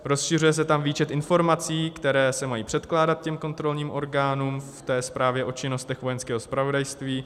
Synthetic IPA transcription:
ɾo̞sʃɪrujɛs̬ɛt̪amviːt͡ʃɛt̪ʔɪnfo̞ɾmat͡siːkt̪ɛɾɛːsɛmajiːpr̝̥ɛt̪klaːdat̪̚cɛmko̞nt̪ɾo̞lɲiːmʔo̞ɾɡaːnuːmft̪ɛːspɾaːvjɛʔo̞t͡ʃɪno̞st̪ɛxvo̞jɛnskɛːɦo̞spɾavo̞dajst̪viː

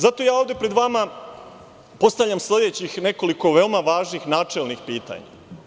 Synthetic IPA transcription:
zat̪o̞jaːo̞ːvd̪e̞pɾed̪ʋama | po̞st̪aʋʎamsle̞d̪et͡ɕixne̞ko̞liko̞ʋe̞omaʋaːʒnixnaːt͡ʂelnixpiːt̪a̰ɲa̰

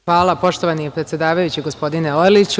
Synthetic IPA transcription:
ʋaːlˠapo̞ʃt̪oʋanipɾet̪sʲjed̪aːʋajut͡ɕiɡo̞spo̞d̪ineojlit͡ɕ

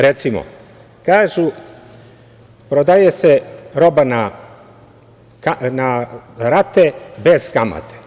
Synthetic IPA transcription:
ɾet̪simo̰ | kaːʒu | pɾod̪ajeseɾo̞bana | kanaɾat̪ebez̥kama̰t̪e̥

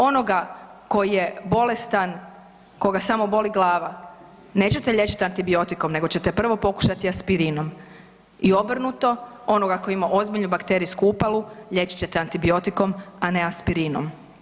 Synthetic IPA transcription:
o̞no̞ɡako̞jije̞bo̞le̞st̪an | ko̞ɡasamo̞bo̞liɡlˠaːʋa | ne̞ːt͡ɕe̞t̪eʎe̞t͡ɕi̥t̪ant̪ibio̞t̪iko̞mne̞ɡo̞t͡ɕe̞t̪epr̩ʋo̞po̞ku̥ʃat̪iaspiɾiːnom | io̞br̩nut̪o̞ | o̞noɡakojimaʔo̞zbiʎnubakt̪e̞ɾijskuupalˠuʎe̞t͡ɕi̥t͡ɕe̞t̪eant̪ibio̞t̪iko̞mane̞aspiɾiːno̰m

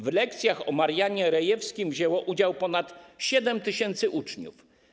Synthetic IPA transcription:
vlɛkt̪sʲjaxɔmaɾjaɲɛɾɛjɛfskʲimvʑɛwɔʔud͡ʑawpɔnat̪ɕɛd̪ɛmt̪ɘɕɛnt̪sɘʔut͡ʂɲṵf

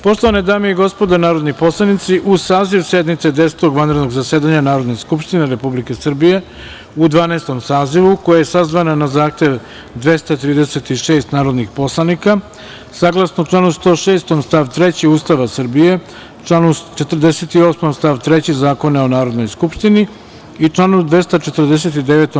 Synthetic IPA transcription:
po̞ʃt̪lˠo̞ʋaned̪aːmiiɡo̞spo̞d̪anaːɾo̞d̪nipo̞slˠanit̪siʔusaːziʋsje̞d̪nit̪se̞d̪ese̥t̪o̞ɡʋanɾed̪noɡzaseːd̪aɲanaːɾod̪neskupʃt̪ine̞ɾe̞publike̞sr̩bije̞ | ud̪ʋaːnaːst̪o̞msaːziʋukojajesazʋananazaːxt̪je̞ʋ | d̪ʋe̞st̪at̪ɾiːd̪eset̪iʃe̞ːst̪naːɾo̞d̪nixpo̞slˠanika | saːɡlˠasnoʈ͡ʂlaːnust̪o̞ːʃe̞ːst̪o̞mst̪aʋt̪ɾet͡ɕiuːst̪aʋasr̩bije̞ | t͡ʃlaːnut͡ʃe̞t̪r̩d̪eset̪io̞smomst̪aʋt̪ɾet͡ɕizaːko̞nao̞naːɾo̞d̪no̞jskupʃt̪ini | it͡ʂlˠaːnud̪ʋe̞st̪at͡ʃe̞t̪ər̩d̪es̬et̪id̪eʋet̪o

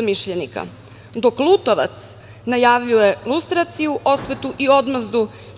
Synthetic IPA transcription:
miʃʎenika̰ | d̪o̞klˠut̪oʋa̰t̪s | najaːʋʎiojelust̪ɾat̪sijuʔosʋe̞t̪uʔio̞d̪mazd̪u

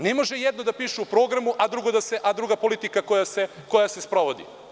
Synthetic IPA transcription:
nemo̞ʒejed̪nod̪apiːʃuupɾo̞ɡɾamuʔad̪ɾuɡo̞d̪aseʔad̪ɾuɡapo̞lit̪ikakojaseko̞jase̞spɾo̞ʋo̞d̪ḭ

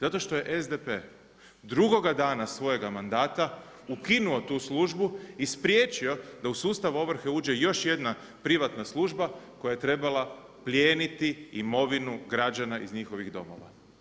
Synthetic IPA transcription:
zat̪o̞ʃt̪o̞je̞ʔezd̪epe | d̪ɾuɡo̞ɡad̪aːnasʋo̞je̞ɡamand̪aːt̪a | ukinuo̞t̪uːslˠuʒbuispɾʲjeːt͡ʃio̞d̪ausuːst̪aʋuo̞ʋɾ̩xe̞uːd͡ʒe̞jo̞ʃje̞d̪na | pɾiʋat̪naslˠuːʒbako̞jaje̞t̪ɾe̞balˠa | plʲjeːnit̪iimo̞ʋinuɡɾad͡ʒanaʔizɲixo̞ʋiɣd̪o̞̰mo̞̰ʋa̰

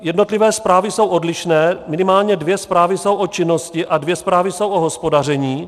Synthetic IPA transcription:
jɛdno̞t̪lɪvɛːspɾaːvɪso̞wʔo̞dlɪʃnɛːmɪnɪmaːlɲɛdvjɛspɾaːvɪso̞wʔo̞t͡ʃɪno̞scɪʔadvjɛspɾaːvɪso̞wʔo̞ɦo̞spo̞darɛɲiː

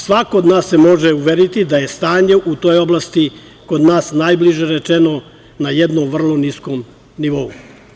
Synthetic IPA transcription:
sʋakood̪naːsːe̞mo̞ʒeuʋeɾit̪id̪aje̞st̪aːɲe̞ʔut̪o̞ːjo̞blˠast̪i | ko̞d̪naːsnajbliʒeɾet͡ʃeno̞ | najed̪nomʋr̩lˠo̞niskom | niʋo̞u

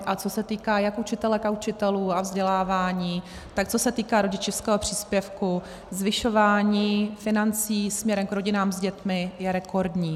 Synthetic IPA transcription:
ʔat͡so̞sɛt̪iːkaːjakʔut͡ʃɪt̪ɛlɛkaut͡ʃɪt̪ɛluːavzɟɛlaːvaːɲiː | t̪ak̚t͡so̞sɛt̪iːkaːɾo̞ɟɪt͡ʃɪfskɛːɦopr̝̥iːspjɛfku | zvɪʃo̞vaːɲiːfɪnant͡siːsmɲɛɾɛmkɾo̞ɟɪnaːmzɟɛt̪mɪjɛɾɛko̞ɾdɲiː

